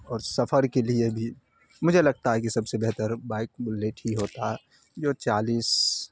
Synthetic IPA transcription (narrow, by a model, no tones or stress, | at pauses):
ɔːɾsɐfʰəɾkeliebʱi | mʊd͡ʒʱelɐɡ̚t̪aɦɛkisɐbsebɛɦt̪əɾbaːɪk̚leːʈʰɦiɦoːt̪aɦɛ | joːt͡ʃaːliːs